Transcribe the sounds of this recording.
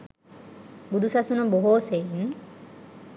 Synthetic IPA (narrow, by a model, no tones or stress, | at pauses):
bud̪usasunəboɦoːsein